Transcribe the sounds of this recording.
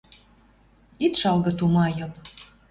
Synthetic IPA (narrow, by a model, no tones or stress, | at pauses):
it̪ʃɑlɣɤ̆t̪umɑjɤ̆l